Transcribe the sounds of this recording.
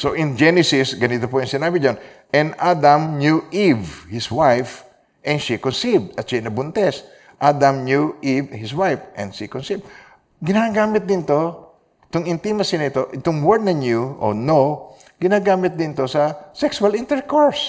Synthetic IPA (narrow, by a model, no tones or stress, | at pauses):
soʔɪnd͡ʒɛnɪsɪsɡɐnɪt̪opoɐŋsɪnabɪd͡ʒonʔɛnʔad̪ɐmnjuʔivhɪswajf | ʔɛnʃikonsivd̪ɐt̪t͡ʃɛnɐbʊnt̪ɛs | ʔad̪ɐmnjuʔivhɪswajfʔɛ̃nʃikonsiv | ɡɪnaɡaːmɪt̪̚d̪ɪnt̪o | ɪt̪oŋɪnt̪imɐsɪnɐɪt̪oʔɪt̪ʊŋwɛɹd̪nɐɲjuʔo̰no | ɡ̥ɪnaɡaːmɪt̪̚d̪ɪnt̪osɐsɛksʊalĩnt̪ɛɹkoɹs